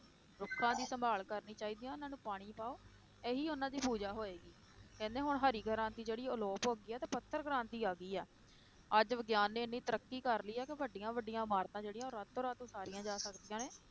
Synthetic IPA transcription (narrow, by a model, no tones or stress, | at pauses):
ɾʊkʰːãːd̪iːsəmbʱaːlkəɾniːt͡ʃaːiːd̪iːãːʊnãːnũːpaːɽ̃iːpaːoː | eːɦiːʊnãːd̪iːbʱuːd͡ʒaːɦoːeːɡiː | kɛ̃ːnd̪eːɦʊɳɦəɾiːɡʱəɾãːt̪iːd͡ʒeːɽiːʊlɔːpoːɡiːɛːt̪eːpət̪ʰːəɾɡɾãːnt̪iːaːɡiːɛː | əd͡ʒʋəɡjaːnːeːɪnːiːt̪əɾəkːiːkəɾliːɛːkɪʋəɖːɪjãːʋəɖːɪjãːmaːɾt̪ãːd͡ʒeːɽɪjãːoːɾat̪ʰːoːɾat̪õːsaːɾɪjãːd͡ʒaːsəkd̪ijãːneː